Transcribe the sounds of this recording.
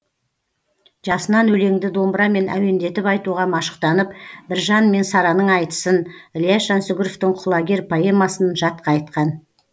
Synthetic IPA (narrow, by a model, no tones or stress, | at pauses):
ʒ̥ɑsənɑnɵle̞ŋd̪ɪd̪o̞mbɾɑme̞nʔæ̰we̞nd̪e̞t̪ɪpɑjt̪uʁɑmɑʃə̥q̚t̪ɑnəpbɪɾʒɑnme̞nsɑɾɑnəɴɑjt̪ə̥sənlʲijaɑnsʊɡʲʊɾoft̪ɪŋqʰʊlˠɑɡʲe̞ɾpʰoe̞mɑsənʒɑt̪̚qɑːjt̪qɑn